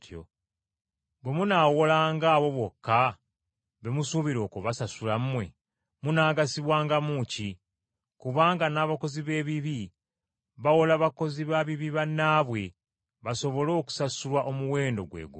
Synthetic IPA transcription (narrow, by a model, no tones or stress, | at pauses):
to̰ | bwe̞munaːwolaːŋɡaːβo̞βwo̞kːa | βe̞musuβiɾo̞ːkoβasasulam̩mwe̞̰ | munaːɡasiβwaːŋɡamuːci | kuβaːŋɡanaːβako̞ziβe̞ːβiβi | βawolaβako̞ziβaβiβiβanːaːβwe̞ | βaso̞βo̞lo̞ːku̥sasulwaʔo̞muwe̞ːndo̞̰ɡwḛːɡṵ